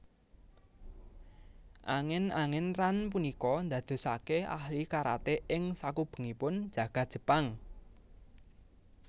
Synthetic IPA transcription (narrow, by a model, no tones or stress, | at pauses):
ʔaŋɪnaŋɪnranpunikɔnd̪ä̤d̪̥o̤sakea̰hlikaɾa̰t̪eʔɪŋsakub̥ə̤ŋipʊn̥ʒ̥ä̤ɡ̥a̤t̪̚ʒ̥ə̤paŋ